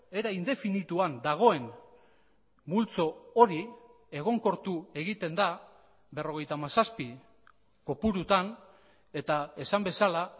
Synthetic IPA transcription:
e̞ɾaind̪e̞finit̪uand̪aɣ̞o̞e̞n | bult͡so̞oɾi | e̞ɣ̞o̞ŋko̞ɾt̪ue̞ɣit̪e̞nd̪a | be̞ro̞ɣ̞e̞jt̪amasaspi | ko̞puɾut̪an | e̞t̪ae̞sambe̞sala

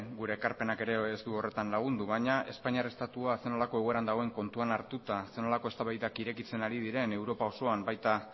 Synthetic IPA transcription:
ɡuɾe̞ːkaɾpe̞nake̞ɾe̞ːsd̪uo̞re̞t̪anlaɣ̞und̪uβaɲaʔe̞spaɲiarest̪at̪uaseno̞lako̞eɣo̞e̞ɾand̪aɣ̞e̞ŋko̞nt̪uanaɾt̪ut̪ase̞no̞lako̞e̞st̪aβajðakiɾe̞kit͡se̞naɾið̞iɾe̞ne̞wɾo̞pao̞so̞ambajt̪a

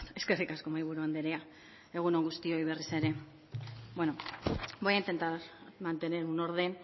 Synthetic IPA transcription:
t̪e̞ske̞rikasko̞majβ̞uɾuand̪eɾea | e̞ɣ̞uno̞ŋɡust̪io̞iβe̞rise̞ɾe̞ | bwenobojaint̪e̞nt̪aɾmant̪e̞ne̞ɾɣuno̞ɾðe̞n

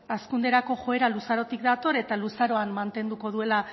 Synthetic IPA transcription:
askund̪e̞ɾako̞ʝo̞e̞ɾalusaɾo̞t̪ikd̪at̪o̞ɾe̞t̪alusaɾo̞anmant̪e̞nd̪uko̞ð̞ue̞la

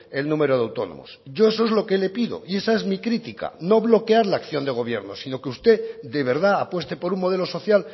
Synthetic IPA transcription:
e̞lnũme̞ɾoðeawt̪o̞̰no̰mo̞̰sɟ͡ʝo̞e̞soe̞zlo̞ke̞le̞piðo̞̰ie̞sae̞zmikɾit̪ika̰no̞βlo̞keaɾlaːkθjo̞nd̪e̞ɣ̞o̞β̞je̞ɾno̞̰sino̞keust̪e̞d̪e̞βe̞ɾðaapwest̪e̞po̞ɾuŋmo̞ð̞e̞lo̞so̞θjal

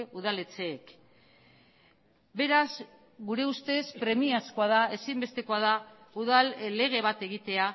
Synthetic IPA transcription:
uð̞ale̞t͡se̞ːk | be̞ɾaz | ɡuɾe̞ust̪e̞spɾe̞miasko̞að̞ae̞simbe̞st̪eko̞að̞auðalle̞ɣe̞β̞at̪e̞ɣ̞it̪e̞a

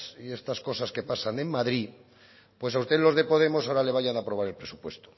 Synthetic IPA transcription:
sie̞st̪asko̞saske̞pasane̞ŋmaðɾi | pwe̞saust̪elo̞zðe̞po̞ðe̞mo̞saoɾale̞β̞aʝanapɾo̞βaɾe̞lpɾesupwe̞st̪o̥

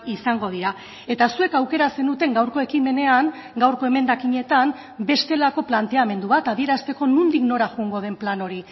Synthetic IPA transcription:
isaŋɡo̞ð̞iɾa | e̞t̪asue̞kawke̞ɾase̞nut̪e̞ŋɡawɾko̞e̞kime̞ne̞aŋ | ɡawɾko̞e̞me̞nd̪akiɲe̞t̪am | be̞st̪e̞lako̞plant̪e̞ame̞nd̪uβat̪aðie̞ɾast̪e̞ko̞nund̪ikno̞ɾaʝuŋɡo̞ð̞e̞mplano̞ɾi

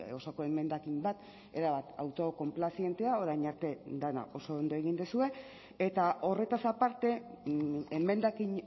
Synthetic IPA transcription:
o̞soko̞eme̞nd̪akimbat̪ | e̞ɾaβat̪a̰wt̪o̞ko̞mplasie̞nt̪e̞ao̞ɾajɲaɾt̪e̞d̪ana̰o̞so̞ːnd̪o̞e̞ɣ̞ind̪esue̞ | et̪ao̞re̞t̪asapaɾt̪e̞ | eme̞nd̪akiɲ

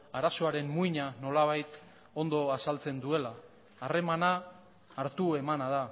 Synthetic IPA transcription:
aɾaso̞aɾe̞mmuiɲano̞laβ̞ajt̪ | o̞nd̪o̞asalt͡se̞nd̪ue̞laː | re̞manaː | ɾt̪ue̞manað̞a

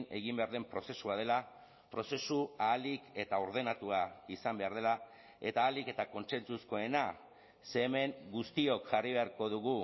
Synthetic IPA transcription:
ne̞̰ɣimbe̞aɾðe̞mpɾo̞se̞suað̞e̞la | pɾo̞se̞suaːlike̞t̪ao̞ɾðe̞nat̪uaisambe̞aɾðe̞la | e̞t̪aːlike̞t̪ako̞nse̞nt͡susko̞e̞na | se̞ːme̞ŋɡust̪io̞kʝariβe̞aɾko̞ðuɣ̞u

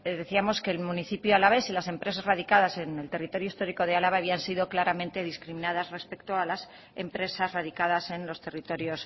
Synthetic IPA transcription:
ðe̞θiamo̞ske̞ːlmũniθipjoalaβe̞silase̞mpɾe̞sazraðikaðase̞ne̞lt̪e̞rit̪o̞ɾjoist̪o̞ɾiko̞ð̞e̞alaβaːβiansiðo̞klaɾamẽ̞nt̪e̞ðiskɾimĩnaðazre̞spe̞kt̪oalas | e̞̰mpɾe̞sazraðikað̞ase̞nlo̞st̪e̞rit̪o̞ɾjo̞s

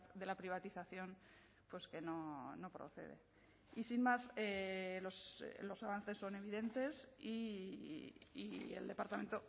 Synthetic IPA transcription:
ðe̞lapɾiβ̞at̪iθaθjo̞n | pwe̞ske̞no̞no̞pɾo̞̰θe̞̰ðe̞̰ | isinmaseloslo̞saβan̟θe̞sːo̞ne̞βiðe̞nt̪e̞si | ḭḛld̪e̞paɾt̪ame̞nt̪o

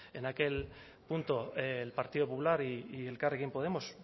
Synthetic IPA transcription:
e̞nake̞l | punt̪olpaɾt̪iðo̞populaɾiːe̞lkarekimpo̞ð̞e̞mo̞s

